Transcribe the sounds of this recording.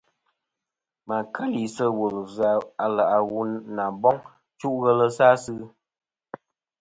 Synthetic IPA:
ma˨kʰə˦li˨sə˦wo˨lza˨a˨la˨ʔa˨wu˦na˨bɔ˦ŋ | t͡ʃu˦ʔɣə˦lə˦saː˦sɨ˦

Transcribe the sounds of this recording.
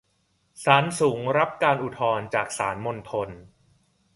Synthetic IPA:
saː˩˦nsuː˩˦ŋɾa˦˥p̚kaː˧nʔu˨˩t̪ʰɔː˧nt͡ɕaː˨˩k̚saː˩˦nmo˧nt̪ʰo˧n

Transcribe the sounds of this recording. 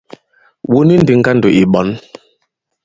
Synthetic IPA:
wu˦ni˦n˦di˨ŋ˦ɡa˦n˨do˨ʔi˨ɓɔ˨˦n

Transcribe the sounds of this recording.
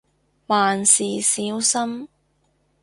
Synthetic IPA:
waː˨˩nsiː˨˩siː˨˥wsɐ˥m

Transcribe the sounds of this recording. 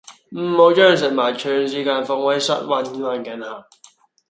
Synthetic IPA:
m̩˨˩mo˨˧wt͡ʃœː˥˩ŋs̬ɪ˨k̚maː˨˩jt͡ʃʰœː˧˩ŋsiː˨˥kaː˧nfɔ˧ŋwɐ˨˥jsɐ̰˦˥t̚wɐ˧n˧ma˨˧nkɛ˨˥nha˨˩ŋ

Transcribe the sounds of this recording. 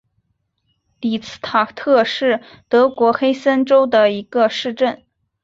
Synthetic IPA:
li˨˩t͡sʰɹ̩̥˥t̪ʰa˨˩t̪ʰɤ˥˧ʂɻ̩˥˩ | t̪ɤ˧˥kwɔ˧˥xe˥ɪsə˥nʈ͡ʂo˥ʊd̪ə˨i˧˥ɡ̥ə˧ʂɻ̩˥˧ʈ͡ʂə˥˩n

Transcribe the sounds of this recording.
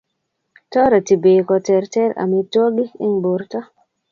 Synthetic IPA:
tɔ˦ɾa˨ti˨be˨kɔ˨tɛ˨ɾtɛ˦ɾa̰˨mi˦twɔ˦ɡi˦ɪ˦ŋbo˨ɾtɔ˦

